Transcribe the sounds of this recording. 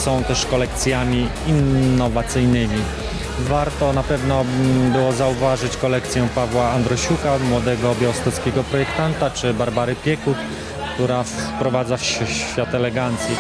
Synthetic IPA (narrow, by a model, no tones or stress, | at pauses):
sɔ̃w̃t̪ɛʂkɔlɛk̚t̪sʲjamʲi | inːɔvat̪sɘjnɘmʲi | vaɾt̪ɔnapɛvnɔbɘwɔzauvaʐɘt͡ɕkɔlɛkt̪sʲjɛpavwaand̪ɾɔɕukamwɔd̪ɛɡɔːbʲjɔwst̪ɔt̪skʲɛɡɔpɾɔjɛkt̪ant̪at͡ʂɘbaɾbaɾɘpʲjɛkut̪ | kt̪uɾafpɾɔvad̪zafɕɕfʲjat̪ɛlɛɡant̪sʲjɛ